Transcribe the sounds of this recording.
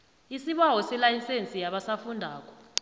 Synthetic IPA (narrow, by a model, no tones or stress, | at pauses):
isiɓawɔsɛlajisent͡sʼijaɓasafundʱaːkʼɔ̥